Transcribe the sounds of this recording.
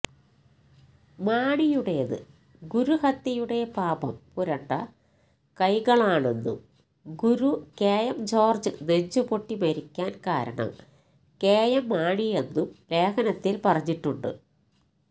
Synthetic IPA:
maːɳijuɽeðɨ̰ | ɡuɾuhɐt̪ːjɐjuɽe̞paːbɐmpuɾɐɳːɐ̰ | kɐjɣɐɭaːɳe̞nːṵm | ɡuɾukeːjɐmd͡ʑo̞ːrd͡ʑɨneɲd͡ʑupoʈːimɐɾikʲːaːnkaːɾɐ̰ɳɐ̰m | keːjɐmːaːɳije̞nːumɾe̞ːkɐnɐt̪ːilpɐrɐɲːiʈːuɳɖɨ̰

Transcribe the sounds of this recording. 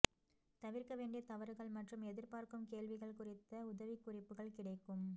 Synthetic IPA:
t̪ɐʋɪɾkɐʋeːɳɖɪjɐt̪ɐʋɐɾɯɣɐɭmɐʈrɯmɛðɪɾpaːɾkɯmkeːlʋɪɣɐɭkʊrɪt̪ːɐʊðɐʋɪkːʊrɪpːɯɣɐɭkɪɽɐɪkːɯm

